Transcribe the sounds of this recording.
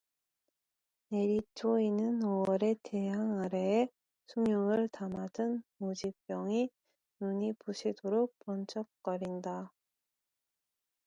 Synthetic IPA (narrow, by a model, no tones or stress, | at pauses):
ne̞ɾitʰoinɯnowʌɾe̞te̞ɦaŋaɾe̞ː | sʰuŋjoŋɯɭtamadɯnmod͡ʑip͈jʌŋi | nuɲipuɕʰidoɾok̚pʌnt͡ɕʰʌk̚k͈ʌɾinda